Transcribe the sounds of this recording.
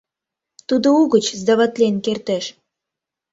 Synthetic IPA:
t̪ud̪ouɣə̆t͡ɕzd̪ɑβɑt̪lʲenkert̪ĕʃ

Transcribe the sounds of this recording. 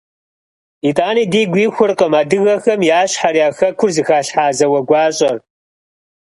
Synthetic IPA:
itʼaːniːdiːɡʷiːxʷʊrqəmaːdɨɣɐxɐmjaːɕħaɾiaːxɐkʷʰʊrzɨxaːɬħaːzɐwɐɡʷɑːɕʼɐr

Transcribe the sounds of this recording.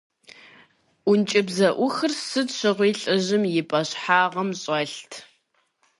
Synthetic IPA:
ʔʷʊnt͡ʃʼɪbzɐʔʷʊxɨrsɨtɕɨʁʷiːɬʼɨʑɪmjɪpʼɐɕħaːʁɐmɕʼɐɬtʰ

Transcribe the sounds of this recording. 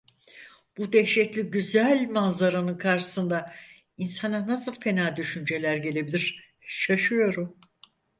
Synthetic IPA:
b̥ud̪ɛçʃɛt̪lʲiɟyzælʲmazaɾanɯnkʰaɾʃɯ̥sɯnd̪a | insananasɯlˠpʰe̞naːd̪yʃynd͡ʒe̞lʲæɾɟe̞lʲe̞bilʲiɾ̥ | ʃaʃɯjo̞ɾum

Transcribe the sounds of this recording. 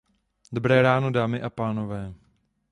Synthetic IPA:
dobɾɛːɾaːno̞daːmɪʔapaːnovɛː

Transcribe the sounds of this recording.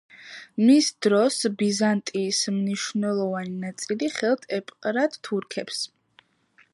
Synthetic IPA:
misd̪ɾɔsbizant̪ʼiːsmniʃnɛlˠɔvaninat̪sʼiliχɛlˠt̪ʰʼɛpʼqʼɾad̪t̪ʰuɾkʰɛps

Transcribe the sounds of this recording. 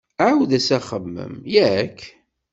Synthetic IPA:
ʕawðæsæχəmːə̰mjækː

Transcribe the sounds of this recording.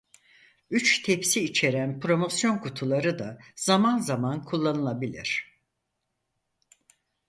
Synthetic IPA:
yt͡ʃt̪ʰepsiːt͡ʃʰe̞ɾænpʰɾo̞mo̞sjo̞nkʰut̪ʰulˠaɾɯd̪az̥amanzamankʰulˠːanɯlˠabilʲḭɾ̥

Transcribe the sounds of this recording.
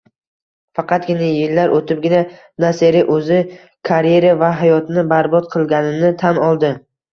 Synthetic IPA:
fɑqʰɑt̪̚ɡʲɪnajɪlːaɾʔot̪ʰɪp̚ɡʲɪna | naseɾɪʔɵzɪ | kʰaɾje̞ɾavaɦajɒt̪nɪbaɾbɒt̪̚qʰɨlˠɡʲanɪnɪt̪ʰanɒlˠd̪ɪ

